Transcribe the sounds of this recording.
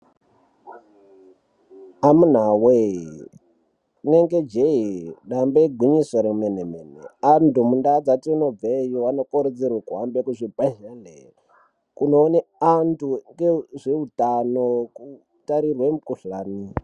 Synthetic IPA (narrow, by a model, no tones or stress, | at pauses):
amun̤awe | neŋɡed͡ʒeiɗambeiɡʱwiɲisoɾemenemenḛantumundad͡zatiunob͡vejoʋanokoɾed͡zirwekuɦambekuʐipaɦene | kunoːneantʰuŋɡeʐeutanoku | taɾirwemukuɬaːni